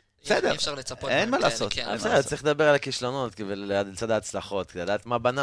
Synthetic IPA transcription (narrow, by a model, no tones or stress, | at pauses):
sed̪efʁlepenmalaːsotsedet͡sʁiled̪abeʁalakiʃlo̞not̪kivellead̪t͡sad̪aːt͡slaχo̞t̪kead̪aːt̪mabana